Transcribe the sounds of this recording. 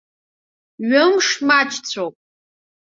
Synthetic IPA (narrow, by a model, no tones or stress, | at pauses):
ɥʊmʂmat͡ʃʰʼt͡sʷʰowpʼ